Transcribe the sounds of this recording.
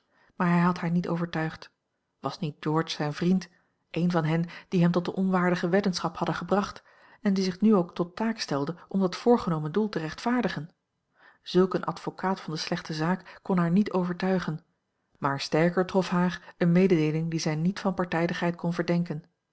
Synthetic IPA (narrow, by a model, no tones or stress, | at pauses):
maːɹɦɛjɦɑtɦaːɹnito̰ːwvəɹtœɥχt | ʋɑsnit̚d͡ʒɔːɹt͡ʃsɛjnvrint | ʔejnvɑnɦɛnd̥iɦɛmtɔt̚dəʔɔnʋaːɹdəχəʋedənsχɑphɑdəχəbrɑχt | ɛndizɪχnyowktɔtaːkstɛlˠdəʔɔmdɑtfʊːɹχənowməndulˠtəʁɛχtfaːɹdəχən | z̥ɵlˠkənʔɑ̰tfokʰaːtfɑndəslɛχtəzaːkːɔnɦaːɹnitowvəɹtœɥχən | maːɹstɛɹkəɹtrɔfɦaːɹənmejdədejlɪŋdizɛjnitfɑnpɑɹtɛjdəχɦɛjt̚kɔnvəɹdɛŋkən